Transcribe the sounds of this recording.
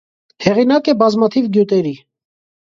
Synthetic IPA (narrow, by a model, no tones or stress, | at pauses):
hɛʁinɑkɛbɑzmɑt̪ʰivɡjut̪ɛɾi